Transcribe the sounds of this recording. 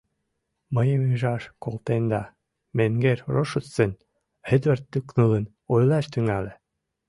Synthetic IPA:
məjəmyʒɑʃkolˠt̪end̪ɑ | meŋɡeɾʲroʃut͡ssen | hed̪βert̪ːyknɤlən | ojlɑʃt̪yŋælĕ

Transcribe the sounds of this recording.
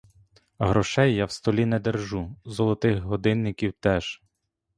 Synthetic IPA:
ɦɾɔʃɛjːawst̪ɔlʲinɛd̪erʒuzɔlˠɔt̪ɪxɦɔd̪ɪnːɪkʲiwt̪ɛʒ

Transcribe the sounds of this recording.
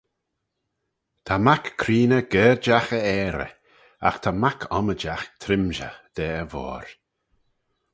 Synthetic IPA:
t̪ʰamakʰːɾiːnəɡ̥ɛːɾd͡ʒaxəɛːɾə̰ | a̰xt̪ʰamakʰɔməd͡ʒaxt̪ʰɾɪmʒə̰d̪̥ɛːəvɔ̰ːɾ

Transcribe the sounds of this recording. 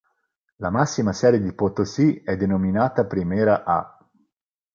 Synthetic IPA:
lamasːimasɛːɾjed̪ipot̪osiɛd̪ːenominaːt̪apɾimɛːɾaʔa̰

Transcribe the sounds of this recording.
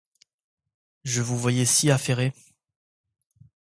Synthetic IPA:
ʒəvuvwajɛsiafeʁe

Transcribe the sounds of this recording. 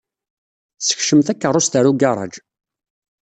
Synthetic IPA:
sə̥çʃəmθækːərˤːʊst̪əɾuɡɑrˤɑ̰d͡ʒ

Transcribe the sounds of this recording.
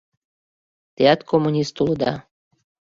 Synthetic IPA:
t̪eɑt̪kʰomːunʲist̪uləd̪ɑ̰

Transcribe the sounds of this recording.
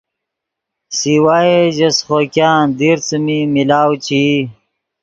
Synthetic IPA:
siwaːeʑɐsχokjaːnd̪iɾt͡səmimilaːwt͡ɕi

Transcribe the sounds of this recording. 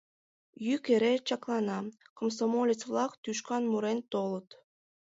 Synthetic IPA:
jykeɾet͡ɕɑklˠɑnɑkoms̬omolʲit͡svlɑkt̪yʃkɑnmuɾent̪olət̪

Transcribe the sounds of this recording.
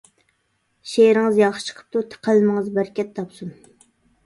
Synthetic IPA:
ʃeɾɪŋɨzjɑχə̥t͡ʃʰə̥qʰə̥p̚t̪ut̪ʰə̥qʰəlmɨŋɨzbæɾkʲʰɛt̪ʰːɑpsun

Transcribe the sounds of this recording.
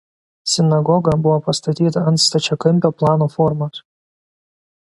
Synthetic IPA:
sʲɪnɐɡɔɡɐbʊʋɔːpɐst̪ɐt̪ʲiːt̪ɐɐnt̪st̪ɐt͡ʃʲɛkɐmʲpʲoːplˠɑːnoːfɔɾmɐs

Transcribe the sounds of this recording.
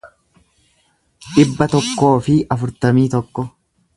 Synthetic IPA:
ᶑɪbːɐt̪ɔkːo̞ːfɪɐfʊɾt̪ɐmiːt̪ɔkːɔ

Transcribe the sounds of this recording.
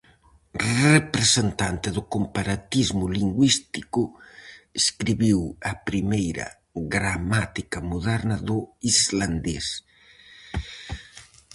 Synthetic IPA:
repɾesent̪ant̪eðʊkompaɾat̪izmʊliŋɡwist̪ikʊeskɾiβiwɐpɾimejɾɐ̰ | ɣɾamat̪ikɐmoðɛɾnɐðʊizland̪es

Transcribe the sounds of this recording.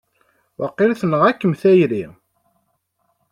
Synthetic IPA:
wɑqːɪlθnəʁækːəmθæjɾi

